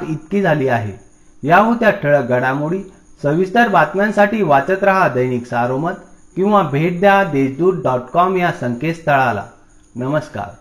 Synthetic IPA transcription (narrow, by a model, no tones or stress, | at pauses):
it̪kiːd͡zʱaliːaɦḛ | jaɦut̪jaʈʰəɭəɡəɽamuɭiː | səʋist̪əɾbat̪mãnsaʈiːʋat͡sət̪ɾaɦad̪əjniksaɾomət̪̚kĩw̃ʋabʱeʈ̚d̪jad̪ed͡ʑd̪uːɾɖɔʈkɔmjasəŋkest̪əɭala̰ | nəməska̰ɾ